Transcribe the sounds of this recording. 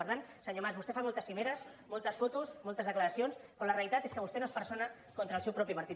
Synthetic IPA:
əɾt̪ansəɲomazβust̪efamolˠt̪əsːimeɾəsmolˠt̪əsfot̪usmolˠt̪əzðəkləɾəsionskɾoləreəlit̪at̪eskəβust̪enospəɾsonə | kont̪ɾəːlˠsewpɾɔpiməɾt̪i

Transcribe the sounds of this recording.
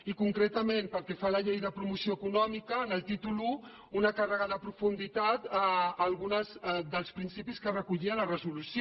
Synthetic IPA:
ikuŋkɾet̪əmẽnpəlkɛfaləʎejðəpɾumusioəkunɔmikəːnəlˠt̪it̪ulu | unəkarəɣaðəpɾufund̪it̪at̪aːlˠɣunəzðəlˠspɾinsipiskərəkuʎiələrəzulusjo

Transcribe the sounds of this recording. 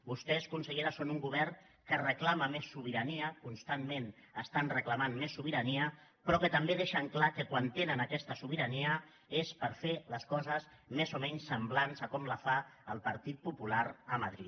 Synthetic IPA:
bust̪ɛskunsəʎeɾəsːonuŋɡuβ̞ɛr | kərəklaməmesːuβ̞iɾəniəkunst̪anmen | əst̪anrəklamanmesːuβ̞iɾəniə | pɾɔkət̪əmbeðeʃəŋklakəkwant̪enənəkɛst̪əsuβ̞iɾəniə | espəɾfeləskɔzəz | mezomɛɲsːəmblanzəkɔmləfaəlˠpəɾt̪it̪̚pupulaɾəməðɾit̪

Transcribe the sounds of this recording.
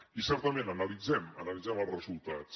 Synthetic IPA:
isɛɾt̪əmẽnənəlid͡zɛmə̰nəlid͡zɛməlˠzrəzulˠt̪at͡s

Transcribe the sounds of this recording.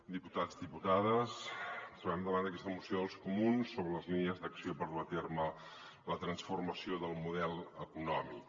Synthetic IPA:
d̪iput̪ad͡zd̪iput̪aðəst̪ɾuβɛmd̪əβand̪əkɛst̪əmusioðəlˠskumunsːoβɾələzlinəzd̪əksiopəɾuət̪ermə | lət̪ɾənsfurməsioðəlˠmuðɛlˠəkunɔmik

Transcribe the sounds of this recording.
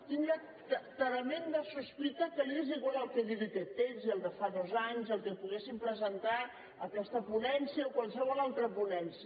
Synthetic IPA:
t̪iŋlə | t̪ət̪əɾəmend̪əsuspit̪əkəlieziɣwalˠəlˠkeðiðikɛt̪ːenziəlˠd̪əfaðɔzaɲzəlˠkepuɣesimpɾəzənt̪a | əkɛst̪əpunɛnsiəokwalˠsəβɔlalˠt̪ɾəpunɛnsiə

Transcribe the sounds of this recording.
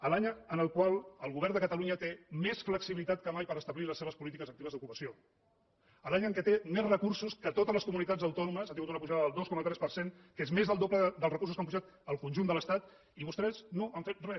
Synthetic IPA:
əlaɲənəlˠkwalˠəlˠɣuβɛɾrnd̪əkət̪əluɲət̪emesfləksiβilit̪at̪̚kəmajpəɾəst̪əβliləsːeβəspulit̪ikəzək̚t̪iβəzðukupəsio | əlaɲəŋkɛt̪emezrəkursuskət̪ot̪əzləskumunit̪ad͡zəwt̪ɔnuməsat̪iŋɡut̪unəpuʒaðəəlˠd̪oskɔmət̪ɾɛspərseŋ | kezmezðəlˠd̪opləðəlˠrəkursuskampuʒat̪ | əlˠkunʒund̪ələst̪at̪ | iβust̪ɾɛsnoəɱfet̪̚rɛs

